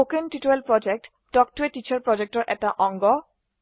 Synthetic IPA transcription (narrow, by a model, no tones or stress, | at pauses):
okenʈiʈuelpɹɔd͡ʑek̚ʈ | dɔk̚ʈueʈit͡ɕʰaɹpɹɔd͡ʑek̚tɔɹʔɛtaʔɔŋɡɔ